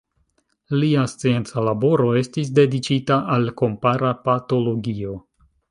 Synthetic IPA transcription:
liast͡sie̞nt͡salabo̞ɾo̞e̞stis̬de̞dit͡ʃitaʔalko̞mpaɾapato̞lo̞ɡio̞

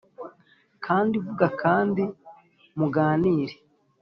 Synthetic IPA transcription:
kʰaːndivuɡakʰaːndi | muɡaːniːɾe

